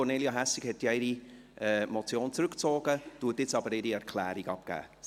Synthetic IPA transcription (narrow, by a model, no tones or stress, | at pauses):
ɔneːljaɦæsɪkhɛtːjɪɾi | ɛːmɔt͡sjoːnt͡sɾʏkt͡soːɡ̥ətuːətɪt͡sɑbəɾɪɾiɛɾkʰlæːɾiɡɑp̚kæ̰ː